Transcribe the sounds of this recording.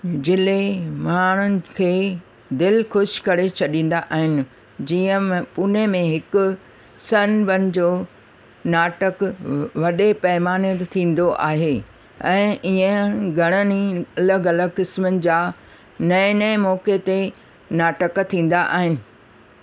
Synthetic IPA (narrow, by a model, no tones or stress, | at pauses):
d͡ʑɪlemaːɽ̤̃ʊnɪ̆kʰeː | d̪ɪlxʊʃkɐɾet͡ɕʰɐɗĩːn̆d̪aʔaːɦɪnɪ̆ | d͡ʑiːə̃pʊnemẽɦɪkʊ̆ | sɐnbɐnɪ̆d͡ʑoː | naːʈəkʋɐɗepɐɦɪmaːnit̪t̪ʰĩːn̆d̪oʔaːɦe | ɛ̃ːʔiə̃ɡʱɐɽ̃əniɐləɡɐləɡkɪsmənɪ̆d͡ʑaː | nɐɪ̃nɐɪ̃mɔːket̪e | naːʈəkt̪ʰĩːn̆d̪aʔa̰ːɦɪnɪ̆